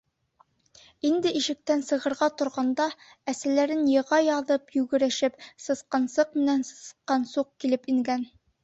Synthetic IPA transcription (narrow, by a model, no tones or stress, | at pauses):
ind̪ɘʔiʃɘ̆k̚t̪ænsɤ̆ʁɤ̆ɾʁɑt̪ŏɾʁɑnd̪ɑ | æsælæɾɘnjɤ̆ʁɑjɑðɤpjʉɡɘ̆ɾæʃɘpsɤ̆sqɑnsɤq̚mɘ̆nænsɤ̥̆sqːɑnsuq̚kilɘpiŋɡæn